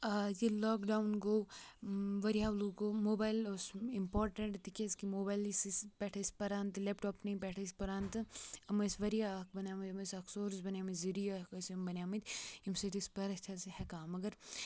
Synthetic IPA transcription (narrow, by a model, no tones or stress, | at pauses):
ɐjilɔːkɖaːwnɡoː | ʋɐɾijaːluːɡoːmoːbaːjlosimpɔːɾʈɐɳʈt̪ikʲeskimoːbaːjlisispɛʈʰɐspɐɾaːnt̪ɨlepʈɔːpnɐĩpɛʈʰɐspɐɾaːnt̪ɨɐmɐsʋɐɾijaːkbɐnaːmɐt̪ɐmɐsɐksoːɾsbɐnʲjaːmɐziɾijɐkɐsimbɐnʲaːmɐt̪ʲimsɐt̪ispɐɾɐt͡ʃʰɐshɛkaːmɐɡɐɾ